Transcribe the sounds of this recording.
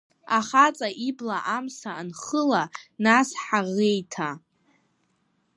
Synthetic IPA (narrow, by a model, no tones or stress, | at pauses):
aχat͡sʼaʔiblaʔamsaːnχəlanasħaʁejtʰa